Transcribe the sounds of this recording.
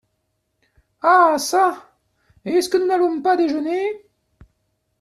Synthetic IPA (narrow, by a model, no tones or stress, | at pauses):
asa | eɛskənunavɔ̃pad̪eʒəne